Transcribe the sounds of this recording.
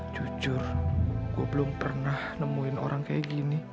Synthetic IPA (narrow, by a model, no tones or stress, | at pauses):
d͡ʒud͡ʒʊrɡ̥uabəlʊmpərnahnəmuɪno̰ɾʔaŋkajaɡini